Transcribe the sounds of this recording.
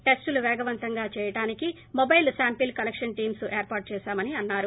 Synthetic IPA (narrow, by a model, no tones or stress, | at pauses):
ʈesʈuluʋɛːɡɐʋɐnt̪ɐŋɡaːt͡ʃɛːjɐʈaːniki | mobɐjlsaːmpilkɐlekʂɐnʈiːmsuʔeːɾpaːɾʈ̚t͡ʃɛːʃaːmɐniɐnːaːɾu